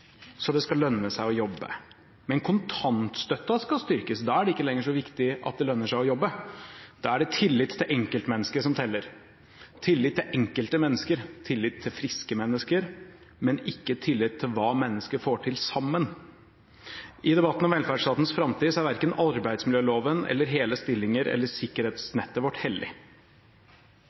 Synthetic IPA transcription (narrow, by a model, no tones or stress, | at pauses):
sɔd̪ɛskɑlœnːəsæɪɔjɔbːə̰ | mɛnkʰʊnt̪ʰɑnt̪st̪œt̪ːɑskɑlst̪ʏɾkəsd̪ɑæɖɛɪkːəlɛŋːəʂɔʋɪkt̪ɪʔɑ̰t̪̚d̪ɛlœnːəʂæɪɔjɔbːəd̪̥ɑæɖɛt̪ʰɪlːɪt̪ʰːɪlʔɛŋkəlt̪mɛnːəskəʂɔmt̪ʰɛlːəɾ | t̪ʰɪlːɪt̪ːɪlʔɛŋkəlt̪əmɛnːəskəɾt̪ʰɪlːɪt̪ʰːɪlfɾɪskəmɛnːəskəɾ | mɛnɪkːət̪ʰɪlːɪt̪ʰːɪlʋɑːmɛnːəskəɾfoːʈʰɪlsɑmːən | ʔɪd̪ɛbɑt̪ːn̩ɔmʋɛlfæɖʂt̪ɑːt̪n̩sfɾɑmt̪ʰiːsɔæɾʋæɾkənɑɾbæɪd̪smɪljøːloːʋənɛ̰lːəɾɦeːləst̪ɪlːɪŋəɾɛ̰lːəʂɪkːəɾeːt̪snɛt̪ːəʋɔʈhɛld̪ɪ̰